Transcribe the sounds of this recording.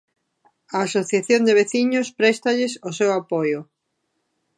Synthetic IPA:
ɐːsoθjaθjond̪eβ̞eθiɲʊspɾɛst̪aʎɪsosewapojʊ

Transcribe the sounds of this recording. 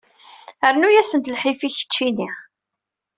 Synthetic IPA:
əɾnujæsənt̪lħifiçə̥t͡ʃːini

